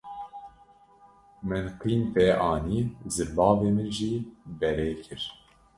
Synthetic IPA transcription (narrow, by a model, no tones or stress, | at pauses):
mɨnqiːnpɛːʔɑːniːzɨbɑːveːmɨʒiːbɛɾeːkʰɨɾ